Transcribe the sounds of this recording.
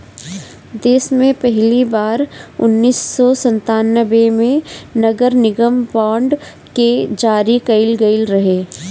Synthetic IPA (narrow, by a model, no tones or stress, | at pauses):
d̪eːsmẽpɛɦlibaːɾʊ̰nːiːsːɔsɐ̃nt̪aːnːəʋemẽnɐɡəɾnɪɡəmbãːɳɖ | ked͡ʒaːɾikɐɪlɡɐɪlɾɐɦeː